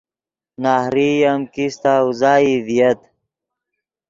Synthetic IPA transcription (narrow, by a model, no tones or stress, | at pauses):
naːhɾijɐmkist̪aːuzaːiðijɐt̪